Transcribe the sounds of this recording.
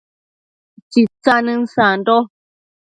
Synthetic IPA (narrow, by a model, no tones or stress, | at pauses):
t͡ʃit͡sanɨ̃nsand̪o